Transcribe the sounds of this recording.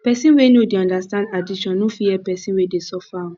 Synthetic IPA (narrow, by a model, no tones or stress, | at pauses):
pɛsĩwenodeɔ̃ndastãndadiʃɔ̃nːofiɛpɛsĩnwedesɔfa